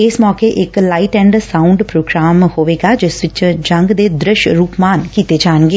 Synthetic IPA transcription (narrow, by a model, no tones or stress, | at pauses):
ɪsmɔːkeːʔɪklaːiʈɛ̃ːɳɖsaːʊɳɖpɾoːɡɾaːmhoːʋeːɡaːd͡ʒɪsʋɪt͡ʃd͡ʒəŋɡd̪eːd̪ɾɪʃɾuːpmaːnkiːt̪eːd͡ʒaːənɡeː